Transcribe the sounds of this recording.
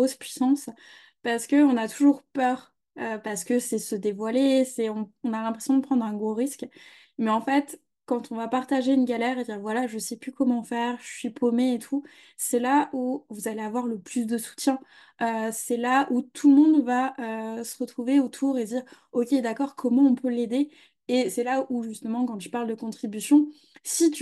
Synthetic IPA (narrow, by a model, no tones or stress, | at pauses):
ospɥisɑ̃s | paʁsə̥kəɔ̃nat̪ʰuʒuʁpœːʁ | øpaʁsə̥kəsɛsəd̪evwalesɛɔ̃ɔ̃nalɛ̃pχesjɔ̃d̪əpχɑ̃d̪ʁɛ̃ɡʁoʁisk | mɛɑ̃fɛt̪ | kɑ̃t̪ʰɔ̃vapaʁt̪aʒeynɡʲalɛʁed̪iʁvwalaʒəsɛplykɔmɑ̃fɛʁʒəsɥipʰomeːt̪ʰu | sɛlaʔuvuzaleavwaʁləplys̬d̪əsu̥t̪jɛ̃ | øsɛlaʔut̪ʰulmɔ̃d̪vaøsə̥ʁət̪χuveot̪ʰuʁed̪iːʁokʲed̪akɔʁkʰɔmɑ̃ɔ̃pøled̪e | esɛlauʒyst̪əmɑ̃kɑ̃ʒəpaʁld̪əkɔ̃t̪χibysjɔ̃ | sit̪y